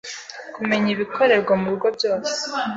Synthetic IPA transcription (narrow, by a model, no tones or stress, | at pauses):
kume̞ɲiβiko̞ɾe̞ɾɡwamuɾuɾɡo̞bɟo̞ːse̥